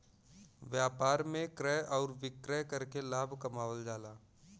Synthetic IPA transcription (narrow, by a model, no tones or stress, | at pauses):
ʋjaːpaːɾmẽkɾɛʔɔːɾʋɪkɾɛːkɐɾkelaːbʱkɐmaːwəld͡ʒaːlaː